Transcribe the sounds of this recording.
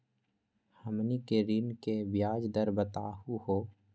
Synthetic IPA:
həmnikeɾiːnkebjaːd͡ʒd̪əɾbət̪aːhuhoː

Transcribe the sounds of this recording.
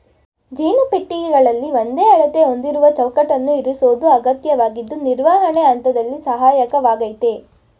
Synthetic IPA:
d͡ʒiːnupeʈːiɡiɡɐɭɐlːiʋond̪eːɐɭɐt̪e̞ɦond̪iɾuʋɐt͡ʃɐwkɐʈɐnːuiɾusoːd̪uɐɡɐt̪jɐʋaːɡid̪ːuniɾʋaːɦɐɳeɐnt̪ɐd̪ɐlːisɐɦaːjɐkɐʋaːɡɐjt̪e

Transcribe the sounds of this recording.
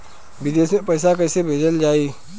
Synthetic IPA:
bɪd̪eːsepəɪs̬akəɪsebʱeːd͡ʒəld͡ʒaːiː

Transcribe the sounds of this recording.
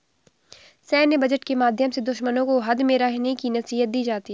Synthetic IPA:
sɛ̃ːnjəbɐd͡ʒəʈkemaːd̪ʱjəmsed̪ʊʃmənõkoɦɐd̪meɾaɦnekinɐsiːɦət̪̚d̪iːd͡ʒaːt̪i

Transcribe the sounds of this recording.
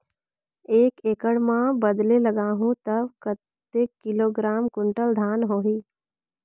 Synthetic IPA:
eːkeːkəɽmãbəd̪leləɡaːɦũt̪əbkət̪ː | ekɪloːɡɾaːmkʊɳʈəld̪ʱaːnɦoːɦiː

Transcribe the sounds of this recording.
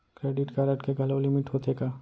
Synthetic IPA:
kɾeːɖɪʈkaɾəʈkeɡʱɐlolɪmɪʈɦoːt̪eːkaː

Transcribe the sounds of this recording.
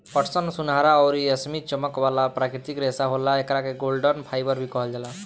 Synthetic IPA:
pɔʈsʌnsunɦaɾaɔwɾiesmit͡ʃɔmɔkbalapɾakɾit̪ikɾesaɦolaekɾakeɡolɖənpʰajbʌɾbʱikɔɦʌld͡ʒala

